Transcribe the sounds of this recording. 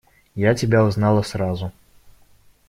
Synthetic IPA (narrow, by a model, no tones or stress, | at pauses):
jat͡sʲabʲawznalˠɐsɾazu